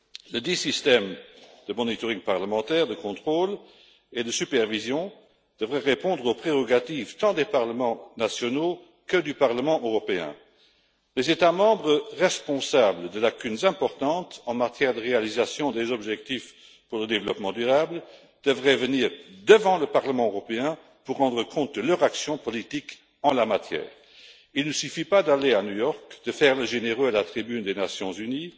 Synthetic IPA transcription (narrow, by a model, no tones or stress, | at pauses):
ləd̪isist̪ɛmd̪̥əmɔnit̪ɔʁĩŋpaʁləmɑ̃t̪ɛːʁd̪əkɔ̃t̪χoːl | ed̪əsypɛʁvizjɔ̃ | d̪̥əvʁɛʁepɔ̃d̪ʁopχeʁɔɡat̪ift̪ɑ̃d̪epaʁləmɑ̃nasjɔno | kəd̪ypaʁləmɑ̃ʔøʁɔpeɛ̰̃ | lezet̪amɑ̃ːbʁəʁɛspɔ̃sabld̪əlakynzɛ̃pɔʁt̪ɑ̃t̪ɑ̃mat̪jɛːʁd̪əʁealizasjɔ̃d̪ezɔbʒɛk̚t̪if | puʁləd̪evəlɔpmɑ̃d̪yʁablə | d̪̥əvʁɛvəniːʁd̪əvɑ̃ləpaʁləmɑ̃øʁɔpeɛ̃ | puʁːɑ̃d̪ʁəkʰɔ̃t̪̚d̪əlœʁaksjɔ̃pɔlit̪ik | ɑ̃lamat̪jɛ̰ːʁ | ilnəsyfipad̪aleanujɔʁkd̪̥əfɛːʁləʒeneʁøalat̪χibynd̪enasjɔ̃zyni